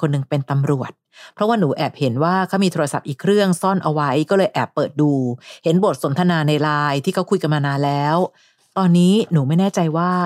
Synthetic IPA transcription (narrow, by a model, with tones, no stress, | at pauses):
kʰo˧nːɯ˨˩ŋpe˧nt̪a˧mɾu˨˩ət̪̚ | pʰɾɔ˦˥waː˥˩nuː˩˦ʔɛː˨˩p̚he˩˦nwaː˥˩kʰa˦˥˩miː˧t̪ʰoː˧ɾa˧sa˨˩p̚ʔiː˨˩kʰɾɯ˥˩əŋsɔ˥˩nʔa˧wa˦˥jkɔː˥˩lɤː˧jʔɛː˨˩pːɤː˨˩t̪̚duː˧he˩˦nbo˨˩t̪̚so˩˦nt̪ʰa˧naː˧na˧jɾaː˧jt̪ʰiː˥˩kʰa˦˥wkʰu˧jka˧nmaː˧naː˧nlɛː˦˥w | t̪ɔː˧nːiː˦˥nuː˩˦ma˥˩jnɛː˥˩t͡ɕa˧jwaː˥˩